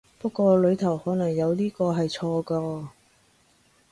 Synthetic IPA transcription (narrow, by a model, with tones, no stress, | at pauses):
pɐ˥kʷːɔː˧lɵ˨˧ɥt̪ʰɐ˨˩whɔː˨˥nɐ˨˩ŋjɐ˨˧wliː˥kɔː˧ɦɐ˨jt͡ʃʰɔː˧kaː˧